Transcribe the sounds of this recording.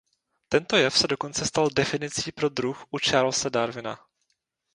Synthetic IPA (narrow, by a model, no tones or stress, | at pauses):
t̪ɛnt̪o̞jɛfsɛdo̞ko̞nt͡sɛst̪aldɛfɪnɪt͡siːpɾo̞d̪ɾuxʔut͡ʃaːɾlsɛdaɾvɪna̰